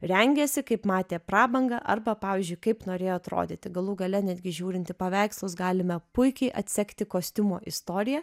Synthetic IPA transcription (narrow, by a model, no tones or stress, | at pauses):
ɾʲɛŋʲɡʲɛsʲɪkɐɪpmɑːt̪ʲeːprɑːbɐŋɡɐʔɐrbɐpɑːʋʲiɪːzʲd͡ʒʲʊɪkɐɪpnoːɾʲeːjoːɐt̪ɾo̰ːd̪ʲeːt̪ʲɪɡɐlˠuːɡɐlʲɛnʲæːd̪ʲɡʲɪʒʲuːɾʲɪnʲt̪ʲɪpɐʋʲɛɪkslˠʊsɡɑːlʲɪmʲɛpʊɪkʲɛɪʔɐt̪ʲsʲɛkt̪ʲɪkoːsʲt̪ʲɪmoːʔɪst̪oːɾʲɪjɛ